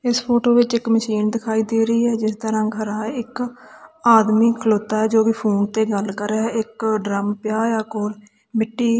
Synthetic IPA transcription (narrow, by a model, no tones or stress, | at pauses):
ɪspʰoːʈoːʋɪt͡ʃɪkməʃiːnd̪ɪkʰaːiːd̪eːɾəiːɦɛːd͡ʒɪst̪əɾãːɡʱəɾãːɪk | aːd̪miːkʰəloːt̪ːaːɦɛːd͡ʒoːʋɪːpʰuːnt̪eːɡəlkəɾɛɪkɖɾəmpjaːjaːkoːɾ | mɪʈːiː